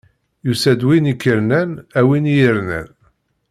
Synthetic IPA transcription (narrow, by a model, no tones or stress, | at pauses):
jusæd̪winikːəɾnænæwinjəɾnæ̰n